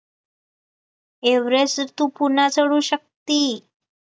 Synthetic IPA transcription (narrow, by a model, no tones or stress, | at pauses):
eʋɾest̪uːpunat͡səɽuːɕək̚t̪iː